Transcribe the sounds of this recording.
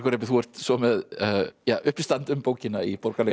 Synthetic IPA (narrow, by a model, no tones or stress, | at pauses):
kɔɾɛpɪθuɛɾ̥t̪sɔmɛðjaːʔʏhpist̪ant̪ʏmpoːwcɪnaipɔɾkalː